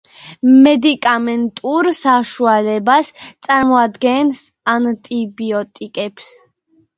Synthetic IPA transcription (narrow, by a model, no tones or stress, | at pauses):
mɛd̪ikʼamɛnt̪ʼuɾsaʃualɛbast̪sʼaɾmɔad̪ɡɛnsant̪ʼibiɔt̪ʼikʼɛps